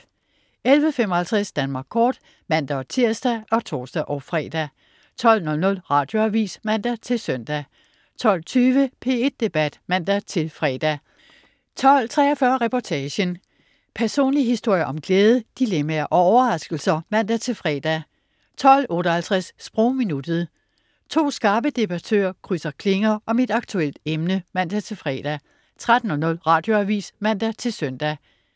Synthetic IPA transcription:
elʋəfem̰ɒhælt͡sʰʁɛsd̥ænmɑ̈ːɡ̥kʰɒːd̥ | mæn̰d̥æt͡sʰiɐ̰sd̥æʔɒ̽t͡sʰo̝̰ːsd̥æʔɒʊfʁɛ̰ːd̥æ | t͡sʰɒ̽l̰nɔ̽lnɔ̽lʁɑ̈d̥jo̝æʋḭːsmæn̰d̥æt͡sʰe̝lsœn̰d̥æ | t͡sʰɒ̽l̰t͡sʰyːʋəpʰe̝ːe̝d̥ːe̝b̥æd̥mæn̰d̥æt͡sʰe̝lfʁɛːd̥æ | t͡sʰɒ̽l̰t͡sʰʁɛːɐfɶɐʁɛpʰɒt͡sʰɛːɕən | pʰæɐso̝̰ːnliɦisd̥o̝̰jɐʔɒ̽mɡ̥leːð̞ˠəd̥ilemæɐʔɒ̽ɒʊɐʁɑ̈sɡ̥l̩sɐmæn̰d̥æt͡sʰe̝fʁɛːd̥æ | t͡sʰɒ̽l̰ɔ̽ːɾɐhælt͡sʰʁassb̥ʁɔʊminud̥ð̩ˠ | t͡sʰo̝̰ːsɡ̥ɑ̈ːb̥əd̥e̝b̥æt͡sʰø̰ːɐ̰kʰʁysɐkʰle̝ŋɐʔɒ̽mid̥ɑ̈ɡ̥̚t͡sʰuel̰d̥emnəmæn̰d̥æt͡sʰe̝fʁɛ̰d̥æ | t͡sʰʁad̥n̩ɒ̽nɔ̽l̰ʁɑ̈ːd̥jo̝æʋḭːsmæn̰d̥æt͡sʰe̝lsœn̰d̥æ

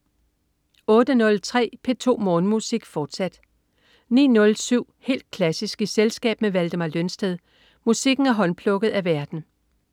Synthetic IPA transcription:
ɔ̽ːd̥ənɔ̽lt͡sʰʁɛ̰ːpʰe̝t͡sʰo̝̰ːmɔːnəmusiɡ̥fɒːd̥sæd̥ | nḭːnɔ̽lsyʊ̰he̝̰ːld̥̚kʰlæsisɡ̥iselsɡ̥ɛ̰ːb̥meʋæld̥əmɑlønsd̥eðˠ | musiɡ̥n̩æɐɦɒ̽npʰlɔ̽ɡ̥ð̩ˠæʋæɐd̥n̩

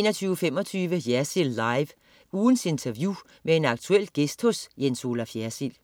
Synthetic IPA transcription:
eːnɐt͡sʰyːʊəfem̰ɒt͡sʰyːʋəjæɐsilːɑ̈ɪʋ | uːn̩se̝nt͡sʰæɐʋjuː | mʔee̝nɑ̈ɡ̥̚t͡sʰuel̰ɡ̥esd̥hɔsjenso̝ːlæfjæɐsil

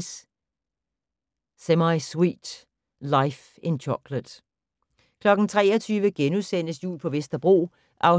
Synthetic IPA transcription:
s | semɑɪswḭːd̥ | lɑ̈ɪf | e̝nt͡ɕʰɒɡ̥ləd̥ | kʰlɒ̽ɡ̥n̩t͡sʰʁɛ̰ːɒt͡sʰyːʋəɡ̥enusen̰əsjṵːlpʰɒ̽ʋesd̥ɐb̥ʁo̝̰ː | ʔɑ̈ʊ

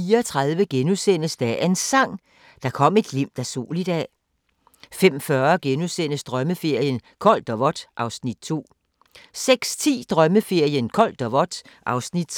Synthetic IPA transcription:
iːɐɒt͡sʰʁɑðˠʋəɡ̥enusen̰əsd̥æɐe̝nsɑ̈ŋ̰ | d̥ɑ̈kʰɒ̽m̰e̝d̥lim̰d̥æso̝̰ːlid̥ɛ̰ː | fem̰fɶɐɡ̥enusen̰əsd̥ʁɶməfe̝ɐ̰jən | kʰɒ̽l̰d̥ɒʋɒ̽d̥ʔɑ̈ʊsnid̥̚t͡sʰo̝̰ː | seɡ̥st͡sʰḭːd̥ʁɶməfe̝ɐ̰jənkʰɒ̽l̰d̥ɒʋɒd̥ | ʔɑ̈ʊsnid̥

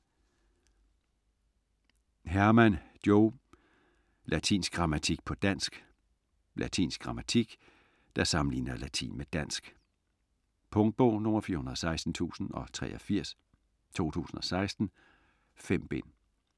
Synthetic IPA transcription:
ɦæɐmænd̥joʊ | lʔæt͡sʰḭːnsɡ̥̚ɡ̥ʁɑ̈mæt͡sʰiɡ̥̚pʰɒ̽d̥æn̰sɡ̥ | lʔæt͡sʰḭːnsɡ̥̚ʁɑ̈mæt͡sʰiɡ̥ | d̥ɑ̈sɑ̈mn̩lḭːnɐlæt͡sʰḭːnmed̥æn̰sɡ̥ | pʰɔŋd̥̚b̥ɔʊ̰nɔ̽mɐfiːɐɦunɐð̩ˠɒ̽sɑ̈ɪsd̥n̩t͡sʰṵːsn̩ɒ̽t͡sʰʁɛ̰ːɒfiɐ̰s | t͡sʰo̝̰ːt͡sʰṵːsn̩ɒ̽sɑ̈ɪsd̥n̩ | fem̰b̥e̝n

